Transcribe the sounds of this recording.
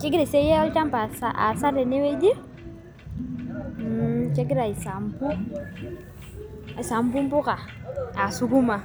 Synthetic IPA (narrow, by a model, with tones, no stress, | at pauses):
ke˦ɡi˦ɾi˨se˦je˦ɔ˦lt͡ʃa˦mpa˨sa˦a̰˨sa˦ɾɛ˨ni˦we˦d͡ʒi˦ | t͡ʃe˦ɡɾa˨i˨sa˨mpu˦˨ | sa˨mpu˦mpu˦ka˨a˨su˦ɡu˦ma˨